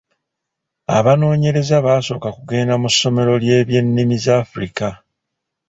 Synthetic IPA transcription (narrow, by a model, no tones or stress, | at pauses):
a̰βano̞ːɲe̞ɾe̞zaβaːso̞ːkakuɡe̞ːndamusːo̞me̞ɾo̞lje̞ːβje̞nːimizaːfuɾika